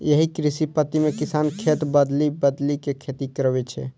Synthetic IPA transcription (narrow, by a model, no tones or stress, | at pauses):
jəɦikɾisipət̪imekisankʰet̪bəd̪libəd̪likekʰet̪ikəɾbɛt͡ʃʰɛ̰